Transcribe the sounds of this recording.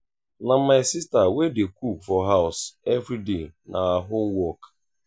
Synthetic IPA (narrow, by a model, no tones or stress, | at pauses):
namaɪsistawedekufɔɦaʊsevɾidenʔaaɦomwɔk